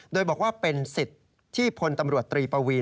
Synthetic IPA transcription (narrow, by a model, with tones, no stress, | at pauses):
doː˧jbɔː˨˩k̚waː˥˩pe˧nsi˨˩t̪̚ʰ | iː˥˩pʰo˧nt̪a˧mɾu˨˩ət̪ːɾiː˧pa˧wiː˧